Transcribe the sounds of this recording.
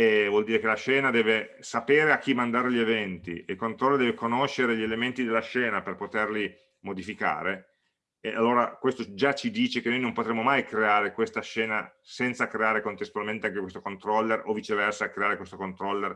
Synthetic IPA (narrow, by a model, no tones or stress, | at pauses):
evwɔld̪iːɾekelaʃɛːnad̪ɛːvesapeːɾeak̟ːimand̪aːɾeʎievɛnt̪ḭelkont̪ɾɔlːd̪ɛːvekonoʃːeɾeʎielement̪id̪elːaʃɛːnaperpot̪erli | mod̪ifika̰ːɾe | ʔa̰lːoːɾakwest̪od͡ʒat͡ʃid̪iːt͡ʃekenojnompot̪ɾɛmːomajkɾeaːɾekwest̪aʃɛːna̰ | sɛnt̪sakɾeaːɾekont̪est̪walmẽnt̪eaŋkekwest̪okont̪ɾɔlːerovit͡ʃevɛrsaːkːɾeaːɾekwest̪okont̪ɾɔlːer